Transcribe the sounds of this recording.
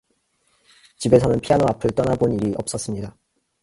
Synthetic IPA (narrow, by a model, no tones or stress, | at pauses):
t͡ɕibe̞sʰʌnɯnpʰianoapʰɯɭt͈ʌnaboniɾiʔʌp̚s͈ʌs͈ɯmɲida